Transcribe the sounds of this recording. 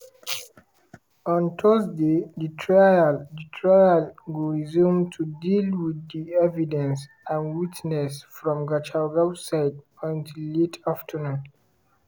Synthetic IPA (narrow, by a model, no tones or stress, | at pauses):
ɔ̃ntʰɔzdedətʰɹajaldətʰɹajalɡuɹizũmtʰudilwiðiɛvidɛ̃ns | ãnwitnɛsfɹɔ̃mɡat͡ʃalɡabsaɪd | ɔ̃ntʰillːetʰaftʰənũn